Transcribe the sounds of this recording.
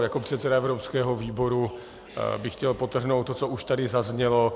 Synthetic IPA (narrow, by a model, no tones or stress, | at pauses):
jakopr̝̥ɛt̪sɛdaɛvɾopskɛːɦoviːbo̞ɾu | bɪxcɛlpot̪r̩ɦnowt̪ːott͡souʃt̪adɪzazɲɛlo